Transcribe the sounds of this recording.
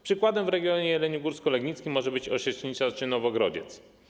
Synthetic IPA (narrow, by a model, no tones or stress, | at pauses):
pʂɘkwad̪ɛmvɾɛɡʲjɔɲɛjɛlɛɲuɡuɾskɔlɛɡɲit̪skʲimːɔʐɛbɘt͡ɕɔɕɛʂɲit͡ʂat͡ʂɘnɔvɔɡɾɔd͡ʑɛ̰t̪s